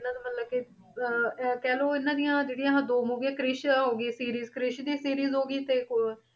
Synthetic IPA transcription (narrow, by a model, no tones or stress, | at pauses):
ɪnãːd̪aːmət̪ləbkɪ | kɛːloːɪnãːd̪ijãːd͡ʒeːɽiːãːɦãːd̪oːmoːɡjãːkɾɪʃɦoːɡiːsiːɾiːzkɾɪʃd̪iːsiːɾiːzɦoːɡiːt̪eːk